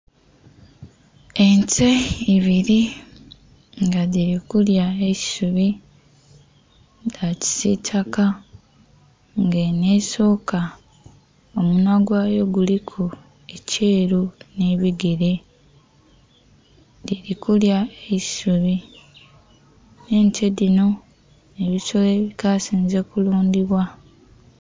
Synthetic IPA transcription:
enteiβiɾi | ŋɡaðiɾikuljaei̥suβi | daci̥sitʰaka | ŋɡeneːso̞ːka | omunaɡwaːjo̞ɡulikʰu | e̞cʰeːɾuneβiɡeɾe̞ | diɾikuljaeci̥suβi | ne̞ntʰe̞dino̞ | eβiso̞leːβikaːsiːnze̞kuluːndiβwa

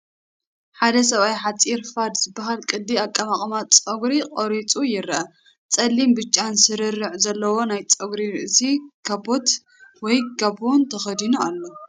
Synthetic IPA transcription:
ħad̪ɐs̬ɐβajħat͡sʼiɾfad̪zɨbːaɦalkʼɨd̪ːiakʼːɐmaχʼmat͡sʼɐɡɾiqʼoɾit͡sʼujɪɾʔɐ | t͡sʼɐlːimbɨt͡ʃʼːansɨɾɨrːɨʕzɐlːɐwo̞najt͡sʼɐɡɾiɾɨʔɨsikʰabot̪ | wɔjɡɐbont̪ʰɐxɐd̪inualːo̞

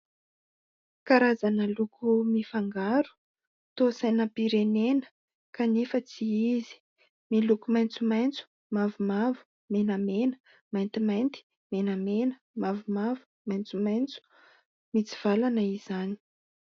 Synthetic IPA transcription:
kaɾazanəlukʰumifaŋɡaɾu̥ | t̪osajnəpiɾenenə̥ | kanefət͡siizi̥ | milukumajnt͡sumajnt͡su̥ | mavumavu̥ | menamenə̥ | majnt̪imajnt̪i̥ | menamenə̥ | mavumavu̥ | majnt͡sumajnt͡su̥ | mit͡si̥v̥alanəizani̥

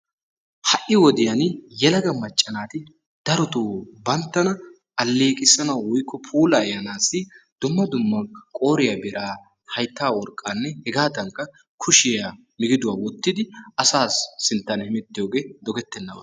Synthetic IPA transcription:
hɐʔɪwɔd̪ɪjɐnjɛlɐɡɐmɐt͡ʃʼːɐnaːt̪ɪ | d̪̥ɐɾɔt̪uːbɐnt̪ːɐnɐ | ɐlːeːkʼɪsɐnɐwwʊjkʰːɔpʰuːlɐːjɐnaːsːɪd̪̥ʊmːɐd̪ʊmːɐkʼo̞ːɾɪjabɪɾʔaː | hɐjt̪ːaːwɔɾkʼːanːɛhɛɡaːt̪ɐŋkːɐ | kʰʊʃɪja | mɪɡɪd̪ʊwaːwɔt̪ːɪd̪ɪɐsaːsːɪnt̪ːɐnhɪmɛt̪ːɪjo̞ːɡe̞ːd̪ɔɡɛt̪ːɛnːɐwɐ̰

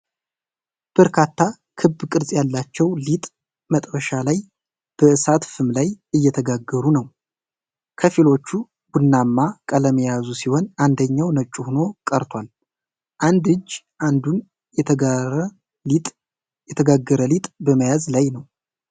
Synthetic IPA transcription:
b̥əɾkʰat̪ʰːa | kʰɨbːkʼɨɾzʼjalːat͡ʃːɛwlit̪ʼ | mət̪ʼbəʃalaj | b̥əɨsat̪fɨmlajɨjːɛt̪ʰəɡaɡːəɾunəw | kʰəfilo̞t͡ʃːu | ɡunːamːakʼələməjazusiho̞nand̪əɲːawnət͡ʃʼːuhuno̞kʼəɾt̪ʰwal | ʔand̪ɨd͡ʒː | ʔand̪un | jɛ | jɛt̪ʰəɡaɡːəɾəlit̪ʼbəməjazlajnəw

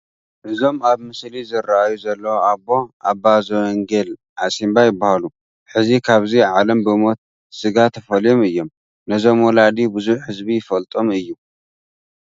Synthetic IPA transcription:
ʔɨzo̞maβmɨslizɨɾaʔajuzɐlːɐwoabːo̞ʔabazɐwɐŋɡel | ʔasimbajɪbːahalu | ħɨzikʰaβziʕalɐmbɨmo̞t̪̚ | sɨɡat̪ʰːɐfɐljomɨjːo̞m | nɐzo̞mwɔlad̪ibɨzuħhɨzbijɪfɐlt̪ʼo̞mɨjːu

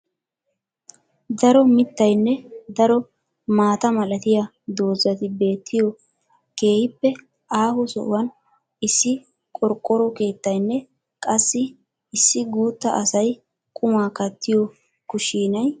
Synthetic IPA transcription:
d̪ɐɾɔmɪt̪ːɐjnːɛd̪ɐɾɔ | maːt̪ɐmɐlɐt̪ɪja | d̪o̞ːzɐt̪ɪbe̞ːt̪ʰːɪjɔ | ke̞ːhɪpːɛ | ʔaːhɔsɔ̰ʔwɐn | ɪsːɪ | kʼɔɾkʼːɔɾɔke̞ːt̪ːɐjnːɛ | kʼɐsːɪː | sːɪɡuːt̪ːɐʔɐsɐj | kʼʊmaːkɐt̪ʰːɪjɔ | kʊʃiːnɐj

